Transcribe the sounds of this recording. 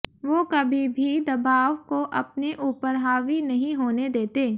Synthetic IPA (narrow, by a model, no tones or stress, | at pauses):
ʋokɐbʱibʱid̪ɐbaːʋkoʔɐpneʔuːpəɾɦaːʋinɐɦĩɦoːned̪eːt̪eː